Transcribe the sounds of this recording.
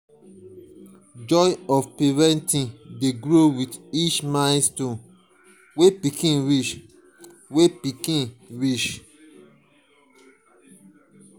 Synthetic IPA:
d͡ʒɔɔfpivɛ̃ntĩndeɡɹowidit͡ʃmãɪstõn | wepikʰĩnɹiʃ | wepikĩnɹiʃ

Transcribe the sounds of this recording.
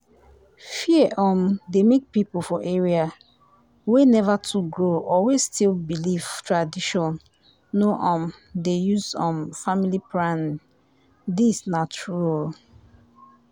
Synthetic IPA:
fiɛʔɔ̃mdemek̚pipolfɔʔeɹia | wenɛvatʰuɡɹoʔɔwestʰilbiliv̥tɹadiʃɔ̃nː | oʔɔ̃m | dejuzɔ̃mfamilipɹãn | disnat͡ʃuɹal

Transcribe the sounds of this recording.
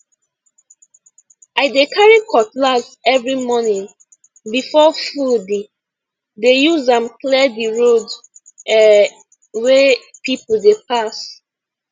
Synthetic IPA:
aɪdekaɹikʰɔtlasɛvɹimɔnĩŋ | bifɔfudi | dejuzãmklɛdiɹod | ɛ | wepipol̩depas

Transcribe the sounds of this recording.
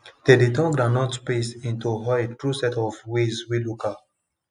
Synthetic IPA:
d̥editɔ̃ŋɡɾanɔ̃tpesĩntuɦɔtɹusɛtɔfwezwilukat

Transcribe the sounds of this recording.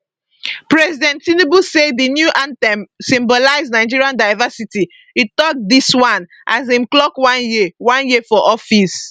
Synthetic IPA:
pɹɛzidɛ̃ntinebusedinjuʔãnsĩmbɔlaɪznaɪd͡ʒiɹiãndaɪvasiti | itɔk̚diswãn | ʔa̰zĩmklɔkwãnjiwãnjefɔʔɔfis

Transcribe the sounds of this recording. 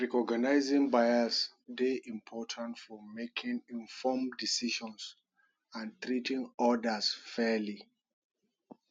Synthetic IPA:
ɹɛkɔɡanaɪzĩŋbajasdeʔĩmpʰɔtʰãntfɔmekʰĩŋĩnfɔmdisiʃɔ̃ns | ãntɹitʰĩŋɔdəsfɛli

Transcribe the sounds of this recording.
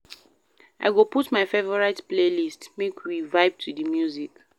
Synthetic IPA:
ʔa̰ɪɡoputmaɪfevɔɹaɪtplelistmekʰwivaɪb̚tʰudimjuzik

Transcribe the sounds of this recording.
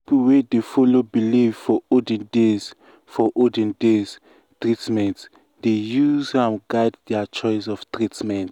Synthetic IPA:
ppuwedefɔlobilivfɔɔdɛ̃ndez | fɔʔɔdɛ̃ndez | tɹitmɛ̃nt | dejuzãmɡajd̚dɛat͡ʃɔjs̬ɔftɹitmɛ̃nt

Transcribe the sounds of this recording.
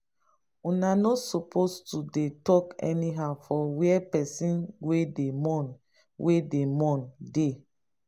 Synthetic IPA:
unanɔsɔpʰostudetɔkɛ̰niɦaʊfɔwiɛpɛsĩnwedemɔ̃n | wedemɔ̃nde

